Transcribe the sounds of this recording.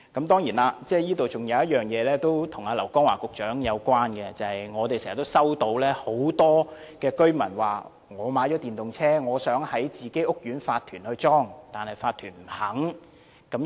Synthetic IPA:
kɐ˨˥mt̪ɔː˥ŋjiː˨˩naː˧t͡sɛː˥˩jiː˥t̪o˨wt͡sʊ˨ŋjɐ˨˧wjɐ˥t̚jœː˨˩ŋjɛː˨˧lɛː˥t̪o˥wt̪ʰʊ˨˩ŋaː˧lɐ˨˩wkɔː˥ŋwa̰ː˨˩kʊ˨k̚t͡ʃœː˨˥ŋjɐ˨˧wkʷaː˥nkɛ˧t͡sɐ˨hɐ˨jŋɔː˨˧t̪e˨jsɛː˨˩ɐ˨˩t̪o˥wsɐ˥wt̪o˧wlɛː˥ho˨˥wt̪ɔː˥ | kɛː˧kɵ˥ɥmɐ˨˩nwaː˨˩ | ŋɔː˨˧maː˨˥jt͡ʃɔː˨˥t̪iː˨nt̪ʊ˨ŋt͡sʰɛː˥ŋɔː˨˧sœː˨˥ŋhɐ˨˥jt͡siː˨˩ke˨˥jʔʊ˥k̚jyː˨˥nfaː˧t̪ʰyː˨˩nhɵ˧ɥt͡sɔː˥ŋt̪aː˨nhɐ˨jfaː˧t̪ʰyː˨˩nm̩˨˩hɐ˨˥ŋ | kɐ˨˥m

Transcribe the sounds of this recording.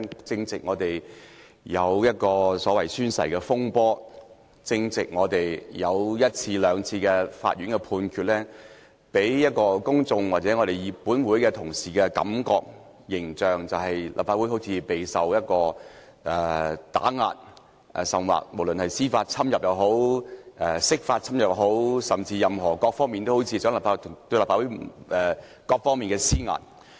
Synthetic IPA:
t͡sɪ˧ŋt͡sɪ˨k̚ŋɔː˨˧t̪e˨j | jɐ˨˧wjɐ˥t̚kɔː˧sɔː˨˥wɐ˨˩jsyː˥nsɐ̰˨˩jkɛː˧fʊ˥ŋpɔː˥ | t͡sɪ˧ŋt͡sɪ˨k̚ŋɔː˨˧t̪e˨˩jjɐ˨˧wjɐ˥t̚t͡sʰiː˧lœː˨˧ŋt͡sʰiː˧kɛ˧fa̰ː˧t̚ɥyː˨˥nkɛ˧pʰuː˧nkʰyː˨t̚lɛː˥ | pe˨˥jjɐ˥t̚kɔː˧kʊ˥ŋt͡sʊ˧ŋwaː˨t̚t͡sɛ˨˥ŋɔː˨˧ɾe˨jjiː˨˧puː˨˥nwuː˨˥jkɛ˧t̪ʰʊ˨˩ŋsiː˨˩kɛ˧kɐ̰˨˥mkɔː˧k̚ | jɪ˨˩ŋt͡ʃœː˨ŋt͡sɐ˨wɦɐ˨jlʔa̰ː˨p̚faː˧wu˨˥jho˨˥wt͡sʰiː˨˧pe˨jsɐ˨wjɐ˥t̚kɔː˧ | ʔɛː˨˩t̪a̰ː˨˥ŋa̰ː˧t̚ | ʔɛ˨sɐ˨˩mwa̰ː˨˩k̚mo˨˩wlɵ˨nhɐ˨jsiː˥faː˧t̚t͡sʰɐ˥mjɐ˨p̚jɐ˨˩wɦo˨˥wʔɛː˨˩sɪ˥k̚faː˧t̚t͡sʰɐ˥mjɐ˨˩pɦo˨˥wsɐ˨˩mt͡siː˧jɐ˨mɦɔː˨˩kɔː˧k̚fɔː˥ŋmi˨nt̪o˥who˨˧˥wt͡sʰiː˧sœː˨˥ŋlaː˨pfa˧t̪ʰt̪ɵ˧laː˨˩faː˧˥wu˨˥ʔɛ˨ | kɔː˧k̚fɔː˥ŋmiː˨nkɛː˧siː˥ŋa̰ː˨˩t̚

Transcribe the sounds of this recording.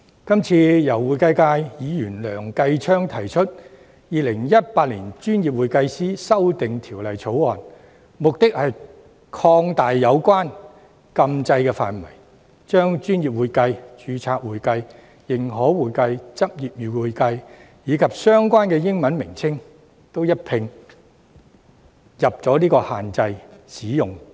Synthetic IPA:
kɐ˥mt͡sʰiː˧jɐ˨˩wːuː˨jkɐ˧jkaː˧jjiː˨˧jyː˨˩nlœː˨˩ŋkɐ˧jt͡ʃʰœː˥ŋt̪ʰɐ˨˩jt͡ʃʰɵ˥t̚ | jiː˨˧lɪ˨˩ŋjɐ˥t̚paː˧t̚liː˨˩nt͡ʃyː˥njiː˨p̚wuː˨jkɐ˧jsiː˥sɐ˥wt̪ɪ˨ŋt̪ʰiː˨˩wlɐ˨˩jt͡sʰo˨˥wɔ̰ː˨˩n | mʊ˨k̚t̪ɪ˥k̚hɐ˨j | kʰɔː˧ŋt̪aː˨jːɐ˨˧wkʷwaː˥n | kɐ˧mt͡sɐ˧jkɛː˧fa̰ː˨nwɐ̰˨˩j | t͡ʃœː˥ŋt͡ʃyː˥njiː˨p̚wuː˨jkɐ˧jt͡ʃyː˨˧t͡sʰaː˧k̚wuː˨jkɐ˧j | jɪ˨˩ŋɦɔː˨˥wwuː˨jkɐ˧jt͡sɐ˥p̚jiː˨p̚jiː˨˩wwuː˨jkɐ˧j | jiː˨˧kʰɐ˨p̚sœː˥ŋkʷaː˥nkɛː˧jɪ˥ŋmɐ˨˥nmɪ˨˩ŋt͡sʰɪ˥ŋ | t̪o˥wjɐ˥t̚pʰɪ˧ŋ | jɐ˨˩p̚t͡sɔː˨˥liː˥kɔː˧haː˨nt͡sɐ˧jsiː˨˥jʊ˨˩ŋ

